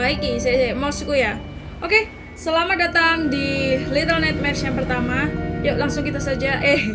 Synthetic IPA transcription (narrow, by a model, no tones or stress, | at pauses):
aikis̬ajasaamosikuja | ʔoke | səlamadat̪aŋdilit̪əlnɛt̪̚mɛrsjaŋpərt̪amajalaŋsʊŋkit̪asad͡ʒaʔɛh